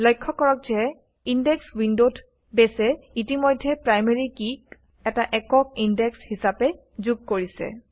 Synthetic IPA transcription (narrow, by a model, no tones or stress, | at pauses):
lɔjkʰːɔkɔɹɔk̚zɛ | indɛkswindotʰ | bɛsɛitimɔjdʱːɛpɹajmeɹikik | ɛtaʔɛkɔkindɛkshisapɛ | zuɡ̚koɹisɛ̰